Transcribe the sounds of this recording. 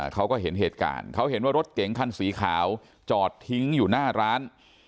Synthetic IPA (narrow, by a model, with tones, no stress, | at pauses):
kʰa˦˥wkɔː˥˩ɦe˩˦nɦeː˨˩t̪̚ka̰ː˨˩nkʰa˦˥wɦe˩˦nwaː˥˩ɾo˦˥t̪̚ke˨˩˦ŋkʰa˥˩nsiː˩˦kʰaː˩˦w | t͡ɕɔː˨˩t̪ʰːi˦˥ŋjuː˨˩naː˥˩ɾaː˦˥n